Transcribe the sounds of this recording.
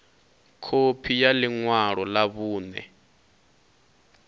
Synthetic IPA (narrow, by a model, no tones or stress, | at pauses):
kʰopʰijaliŋwaɺɔlaβuːnɛ̰